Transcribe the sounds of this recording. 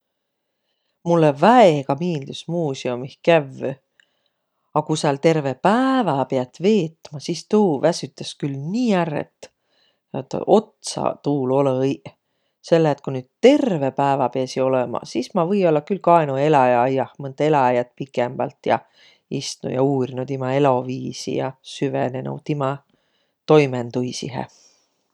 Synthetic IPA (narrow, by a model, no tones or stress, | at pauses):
mulːevæeɡ̥ɑmiːld̪̥usmuːsiomihkævːø | ɑkusɑlt̪e̞rve̞pævɑpeɑt̪ːve̞ːt̪ːˑmɑsist̪uːvæsyt̪ːˑeskylniːærːḛt̪ːˑ | ɑ̰t̪ːʔo̞t̪sɑ̰t̪uːlo̞lej | se̞lːeːt̪̚kunyːd̪̥̚t̪e̞rve̞pæevɑpeæsio̞lemɑ̰sismɑvɤjo̞lːɑkylkɑenue̞lɑjɑɑjɑhmɤnd̪e̞lɑjɑt̪̚pikˑemb̥ɑ̰lt̪ˑjɑ̰ | ist̪nṵjɑ̰uːɾinud̪̥imɑe̞lo̞viːsḭjɑ̰syvenenṵwt̪imɑ | t̪o̞jment̪ujsḭɦḛ